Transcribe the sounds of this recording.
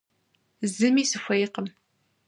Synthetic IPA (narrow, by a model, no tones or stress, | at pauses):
zɨmisɨfʷɐjqəm